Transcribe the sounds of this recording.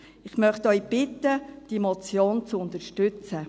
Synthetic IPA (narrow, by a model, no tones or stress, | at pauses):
ɪχmœχtœʏb̥ɪt̪ːəd̥imɔt͡sjoːnt͡suʊnt̪əɾʃtʉt͡sə